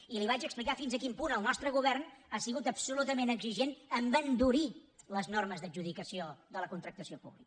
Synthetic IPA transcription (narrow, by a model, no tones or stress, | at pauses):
iliβat͡ʃəksplikafinzəkimpunəlˠnɔst̪ɾəɣuβɛrnasiɣut̪əpsulut̪əmenəɡziʒenəmbənd̪uɾiləznɔrməzðəd͡ʒʒuðikəsioðələkunt̪ɾək̚t̪əsiopṵβlikə